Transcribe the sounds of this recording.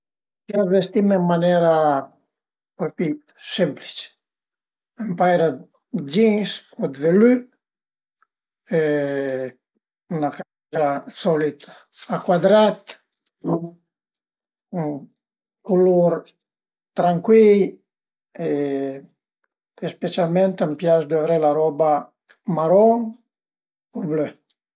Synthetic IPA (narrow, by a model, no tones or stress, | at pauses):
kiazvest̪imɛmːanɛɾa | pɾofit̪ | sɛmpli̥t͡ʃ | empajɾa | d͡ʒinskɔd̪vely | e | unaka | asɔlit̪ḁ | akwad̪ɾat̪ | kuluɾ | t̪ɾaŋkwij | e | espesjalmɛnt̪ampjasd̪avɾelaɾɔba | maɾɔn | oblø